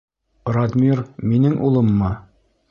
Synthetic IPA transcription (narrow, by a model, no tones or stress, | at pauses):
rɑd̪mʲiɾminɘŋʔulˠɤ̆mːɤ